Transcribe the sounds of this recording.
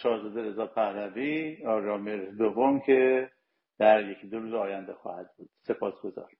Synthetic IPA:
t͡ʃɒːɾzɒːd̪eɾe̞zɒːpʰæhlæviɒɾɒːmeɾd̪ovːomcʰe̞ | d̪̥æɾjekʰid̪oɾuːzɒːjænd̪exɒ̰ːhæd̪̚buːd̪̥se̞pʰɒːsɡo̞zɒ̰ːɾ

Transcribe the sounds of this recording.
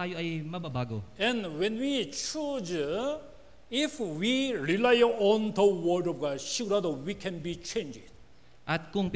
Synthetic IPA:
ajoajmababaɡoɛ̃nwɛ̃nwit͡ʃud͡ʒ | ifwiɹilajəʔɔ̃nt̪ʰuwədɔvɡaʃikɾad̪owikʰɛ̃nbit͡ʃʰẽnd͡ʒɪd | ʔat̪̚kʊŋp

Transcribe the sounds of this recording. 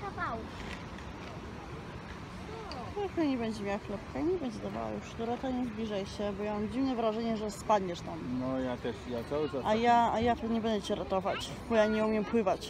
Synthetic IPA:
kavawuf | ɔjakɔɲɛbɛɲd͡ʑɛmʲjawaxlɛpkaiɲɛbɛɲd͡ʑɛd̪ava̰wa̰juʂd̪ɔɾat̪aɲɛzblʲiʐajɕɛbɔjamamd͡ʑivnɛvɾaʐɛɲɛʐɛspad̪ɲɛʂt̪amnɔjat̪ɛʂjasawɪt͡ʃaajaajat̪ɲɛbɛnd̪ɛt͡ɕɛɾat̪ɔvat͡ɕ | bɔjaɲɛumʲjɛmpwɘvat͡ɕ

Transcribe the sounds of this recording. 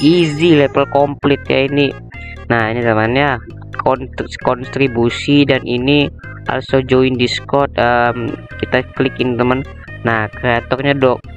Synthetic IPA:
ʔizilepəlkɔmplɪt̪̚ja̰ini | nahinizamanɲa | kʰɔnskɔnst̪ɾibusidanʔini | a̰lsod͡ʒoindiskɔrt̪̚əm | kit̪aklikinit̪əmən | nahkɾiat̪ɔrɲadɔk

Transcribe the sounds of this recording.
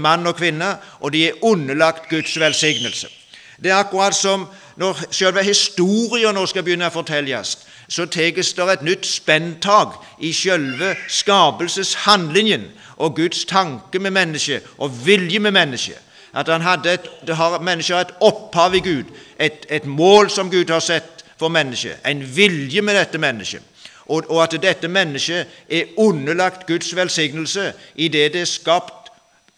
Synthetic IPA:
mɑnːɔkʰʋɪnːəʔɔd̪ɛæʉnːəlɑkt̪ɡʉd̪sʋɛlsɪɡnəlsə̰ | d̪ɛæɾɑkʊɾɑːt̪sɔm | nɔɾʃølʋəɦɪst̪uːɾɪənoːskɑbəjʏnːəɔfɔt̪ʰɛlːəɑ̰st̪ | sɔt̪ʰeːɡəsd̪ɛɾɛt̪nʏt̪ːspɛnt̪ʰɑːɡ | ɪʃœlʋəskɑːpəlsəshɑnd̪lɪŋjən | ʔɔɡʉd̪st̪ʰɑŋkəmɛmɛnːəʂəʔɔʋɪljəmɛmɛnːəʃə̰ | ʔɑt̪hɑnɦɑd̪ːəæt̪d̪ɛɦɑɾmɛnːəʃəæɪt̪ɔphɑːʋɪɡʉːd̪ʔæɪt̪æɪt̪moːlsɔmɡʉːd̪hɑɾsɛt̪ːfɔɾmɛnːəʃə̰ʔæ̰ɪnʋɪljəmɛd̪ɛt̪ːəmɛnːəʃə̰ | ʔɔɔɑt̪d̪ɛt̪ːəmɛnːəʃəʔɛʉnːəlɑkt̪ɡʉd̪sʋɛlsɪɡnəlsəʔɪd̪ɛd̪ɛskɑːpt̪

